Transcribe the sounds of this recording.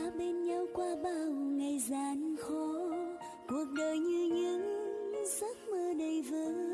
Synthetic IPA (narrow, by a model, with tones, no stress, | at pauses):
ɓe˧nɲa˧wkwaː˧ɓaː˧˩wŋa˨˩jzaː˨˩nxɔ˨˧˦ | ku˨˩ək̚ɗəː˨˩jɲɨ˧ɲɨ˧˥ŋzə˦˥t̚məː˧ɗə˨˩jvəː˨˦